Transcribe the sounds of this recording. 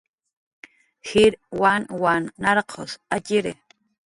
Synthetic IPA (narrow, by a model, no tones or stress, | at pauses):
xiɾwanwanːaɾqʰo̰saciɾɪ